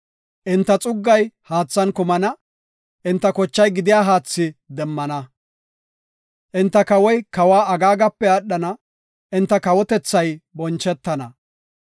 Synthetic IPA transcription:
ʔɪnt̪ːɐt͡sʼʊɡːɐjhaːt͡sːɐnkʊmɐnɐ | ʔɪnt̪ːɐkɔt͡ʃːɐjɡɪd̪ɪjaːɦaːt͡sːɪd̪ɛmːɐnɐ | ʔɪnt̪ːɐkɐwɔjkɐwaːɐɡaːɡɐpːɛɐɗːɐnɐ | ʔɪnt̪ːɐkɐwɔt̪ɛt͡sːɐjbɔnt͡ʃːɛt̪ːɐnɐ

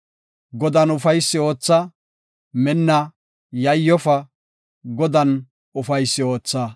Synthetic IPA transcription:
ɡɔd̪ɐnʊfɐjsːɪo̞ːt͡sːɐ | mɛnːɐ | jɐjːɔfɐ | ɡɔd̪ɐn | ʊfɐjsːɪo̞ːt͡sːɐ

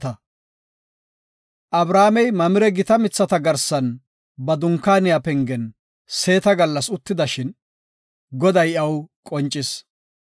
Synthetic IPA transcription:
ɐ | ʔɐbɾaːmɛjmɐmɪɾɛɡɪt̪ɐmɪt͡sːɐt̪ɐɡɐɾsɐn | bɐd̪ʊŋkːaːnɪjapɛŋɡɛn | se̞ːt̪ɐɡɐlːɐsʊt̪ːɪd̪ɐʃɪn | ɡɔd̪ɐjɐwkʼɔnt͡ʃʼːɪs

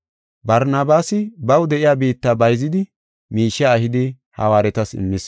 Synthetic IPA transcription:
bɐɾnaːbaːsɪbɐwd̪ɛʔɪjaːbiːt̪ːabɐjzɪd̪ɪ | miːʃːɛːhɪd̪ɪ | hɐ̰waːɾɛt̪ɐsɪ̰mːɪs

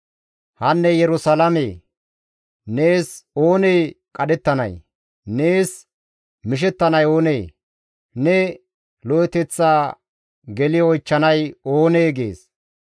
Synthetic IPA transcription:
hɐnːɛjɛɾʊsɐlɐmeː | neːso̞ːne̞jkʼɐɗɛt̪ːɐnɐ̰j | ne̞ːs | mɪʃ̬ɛt̪ːɐnɐjo̞ːneː | nɛ | lɔjɛt̪ɛt͡sːaː | ɡɛlɪɔjt͡ʃːɐnɐjo̞ːneːɡḛːs

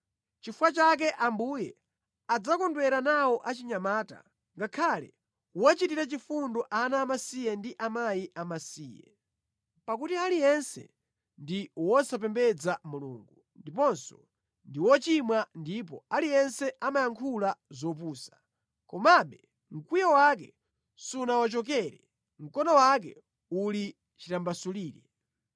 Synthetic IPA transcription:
t͡ʃifuwat͡ʃak̬ɛʔambujɛ | ad͡zakɔndwɛɾanawɔʔat͡ʃiɲamaːta̰ | ŋɡakʰalɛ̰ | wɔt͡ʃitiɾat͡ʃifundɔʔanaːmasijɛndiʔamajiʔamasiːjɛ̰ | pakutialijɛnsɛ̰ | ndiwɔsap̬ɛmbɛd͡zamulṵːŋɡu | ndipɔnsɔ̰ | ndiwɔt͡ʃimwandip̬ɔ̰alijɛnsɛʔamajaŋkʰulazɔp̬uːsḁ | kɔmaɓɛ | ŋ̩kwijawak̬ɛ | sunawat͡ʃɔk̬ɛɾɛ | ŋ̩kɔnɔwak̬ɛ̰ | uli | t͡ʃitambasuliːɾɛ

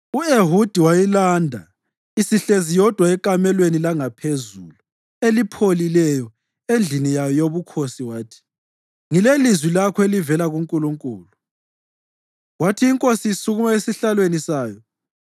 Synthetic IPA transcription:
ueɦud̥ʱiwajilaːndʱa̰ | isiɬezijɔd̥ʱwaɛkʼamɛlwenilaŋapʰezuːlu | elipʰolilɛjɔ | end͡ɮʱinijajɔjoβukʰosiwaːtʰi̥ | ŋilelizwilakʰɔelivɛlaɣuŋkʼuluŋkʼuːlu | watʰiːŋkʼosiːsuɣumaesiɬalwenisaːjɔ

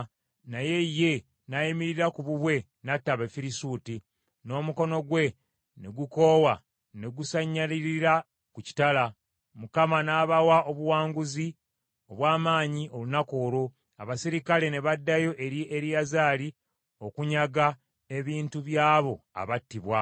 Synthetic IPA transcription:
naje̞je̞ | najimiɾiɾakuβuβwe̞ | natːaβefiɾisuːti | no̞ːmuko̞no̞ɡwe̞ | ne̞ɡuko̞ːwa | ne̞ɡusaɲːaliɾiɾa | kuci̥tala | mukamanaːβawaʔo̞βuwaːŋɡuzi | oβwaːmaːɲiʔo̞lunako̞ːɾo̞ | aβasiɾikale̞ne̞βadːajo̞ʔe̞ɾiʔe̞ɾijazaːli | o̞kuɲaɡa | e̞βiːntuβjaːβo̞a̰βatːiβwa

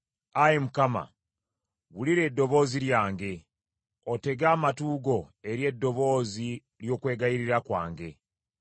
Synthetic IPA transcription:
ajemukama̰ | wuliɾe̞ːdːo̞βo̞ːziɾjaːŋɡe̞ | ote̞ɡaːmatuːɡo̞e̞ɾje̞dːo̞βo̞ːzi | ɾjo̞ːkwe̞ːɡajiɾiɾakwa̰ːŋɡe̞

